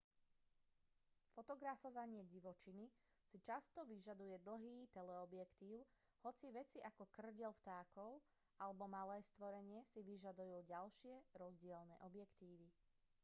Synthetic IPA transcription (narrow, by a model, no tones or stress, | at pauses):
fɔt̪ɔɡɾafɔʋaɲɪɛɟiʋɔt͡ʃini | sit͡ʃast̪ɔʋiʒad̪ujɛd̪l̩ˠɦiːt̪ɛlɛɔbjɛkt̪iːʊ | hɔt͡siʋɛt͡siʔakɔkr̩ɟɛlft̪aːkɔʊ | alɛbɔmalɛːst̪ʋɔɾɛɲɪɛsiʋiʒad̪ujuːɟalʃɪɛɾɔzɟɪɛlnɛ̰ːʔɔbjɛkt̪iːʋi